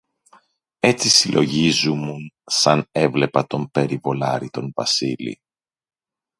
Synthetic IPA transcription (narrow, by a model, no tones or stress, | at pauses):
e̞t͡sisilʔo̞ʝizumunsɐne̞vle̞pɐt̪o̞mpe̞ɾivo̞lɐɾit̪o̞nvɐsilḭ